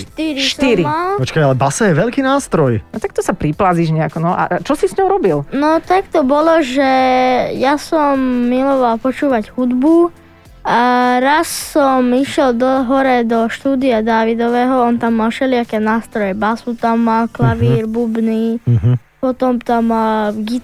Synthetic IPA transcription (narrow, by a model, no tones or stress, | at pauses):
ʃt̪iɾiʃsiɾialpɔt͡ʃkajalɛbasajɛʋɛʎkiːnaːst̪ɾɔjnɔt̪akt̪ɔsapɾiplaziʒɲɛakɔnɔʔa̰t͡ʃɔsisɲɔʊɾɔbilnɔt̪akt̪ɔbɔlɔʒɛjasɔmːilɔʋalpɔt͡ʃuːʋaɟhud̪bu | ɾasːɔmiʃɪɛld̪ɔɦɔɾɛd̪ɔʃt̪uːd̪iad̪aːʋid̪ɔʋɛːɦɔɔnt̪amːalʃɛlɪakɛːnaːst̪ɾɔjɛbasut̪amːalklaʋiːɾbubniːɦ | pɔt̪ɔmt̪amːalɡi